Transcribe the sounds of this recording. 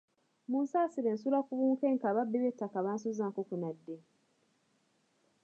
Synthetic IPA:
muːnsaːsiɾeːnsulakuβuːŋkeːŋkaβabːeβetːakaβaːnsuzaːkokunadːe

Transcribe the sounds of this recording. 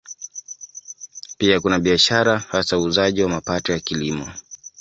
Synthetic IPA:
piakunaɓiaʃaɾahasauːzaʄiwamapatɔjakilimɔ

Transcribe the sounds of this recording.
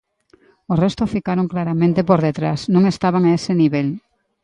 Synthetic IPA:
orest̪ʊfikaɾoŋklaɾamẽnt̪epoɾðet̪ɾasnõŋest̪aβaŋaesɪniβel

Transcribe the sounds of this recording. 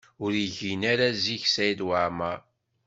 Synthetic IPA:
ʊɾiʝinaɾaziçsæjd̪waʕmaɾ

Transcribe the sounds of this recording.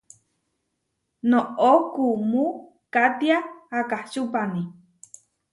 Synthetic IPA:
nookumu | kat̪iaːkaht͡ʃupani

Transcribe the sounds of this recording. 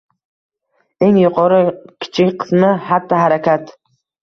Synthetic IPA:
e̞ŋjʊqʰɒɾɪkʲʰɪ̥t͡ʃʰɪkʲqʰɨ̥smɪhat̪ʰːɒɦaɾakʲʰat̪

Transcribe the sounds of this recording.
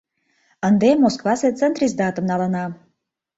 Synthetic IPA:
ənd̪emoskvɑset̪t͡s̪ɛnt̪ɾisd̪ɑt̪ə̆mnɑlˠɤ̆nɑ

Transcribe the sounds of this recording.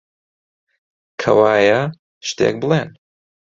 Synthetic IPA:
kʰɐwaːjɐ | ʃt̪ḛːk̚bəleːn

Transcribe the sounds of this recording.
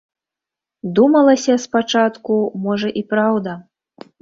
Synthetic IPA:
d̪umɐlˠɐsʲɐspat͡ʂat̪kumɔʐɐʔipɾawd̪ɐ

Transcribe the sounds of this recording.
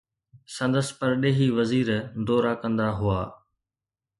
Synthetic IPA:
sɐ̃nd̪əspɐɾɗeːɦiːʋɐziːɾd̪ɔːɾakɐ̃nd̪aɦʊaː

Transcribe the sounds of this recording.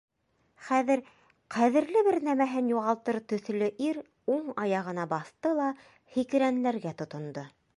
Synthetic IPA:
χæðɘ̆ɾ | qæðɘ̆ɾlɘβɘɾnæmæɦɘnjuʁɑlˠt̪ɤɾt̪ɵ̆θlɵʔiɾ | uɴɑjɑʁɤ̆nɑbɑθt̪ɤlˠɑ | hikɘ̆ɾænlæɾɡæt̪ŏt̪ŏnd̪o

